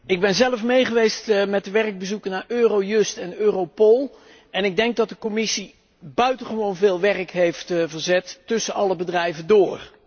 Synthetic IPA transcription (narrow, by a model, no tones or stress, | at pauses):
ɪɡ̚bɛnzɛləfmejχəʋejstmɛt̚dəʋɛrəɡ̚bəzukənaːɹøːrowjɵstɛnøːrowpolˠ | ɛnɪɡ̚dɛŋɡ̚dɑt̚dəkɔmɪsi | bœɥtəχəʋownvɪːlˠʋɛrəkɦejftvəɹzɛtːɵsənɑləbədrɛjvəndʊːr